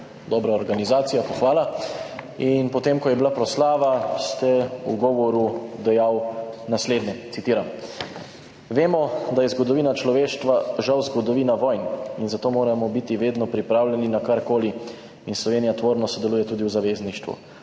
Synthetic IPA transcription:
d̪ɔːbɾaɔɾɡanizaːt̪sijapɔxʋaːla | inpɔt̪emkɔjɛbilapɾɔslaːʋast̪ɛuɡɔʋɔɾud̪ɛjawnasleːd̪nɛt̪sit̪iːɾam | ʋeːmɔd̪ajɛzɡɔd̪ɔʋiːnat͡ʃlɔʋeːʃt̪ʋaʒawzɡɔd̪ɔʋiːnaʋɔjninzat̪oːmoːɾamɔbit̪iʋeːd̪nɔpɾipɾaːwlʲjɛninakaɾkoːli | inslɔʋeːnijat̪ʋoːɾnɔsɔd̪ɛluːjɛt̪uːd̪iwzaʋeːzniʃt̪ʋṵ

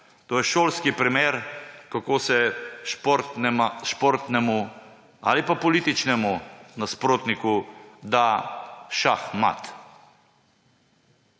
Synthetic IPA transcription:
t̪oːjɛʃoːlskipɾimeːɾkakoːsɛʃpoɾt̪nɛmʃpoɾt̪nɛmu | a̰lipapɔlit̪it͡ʃnɛmunaspɾoːt̪nikud̪aʃaxma̰t̪

